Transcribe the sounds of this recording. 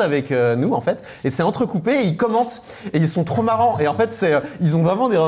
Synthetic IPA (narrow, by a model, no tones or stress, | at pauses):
avɛkønuɑ̃fɛt̪ | esɛɑ̃t̪χəkupeilkɔmɑ̃t̪ | eilsɔ̃t̪χomaʁɑ̃ʔeɑ̃fɛt̪sɛilzɔ̃vʁɛmɑ̃d̪eʁə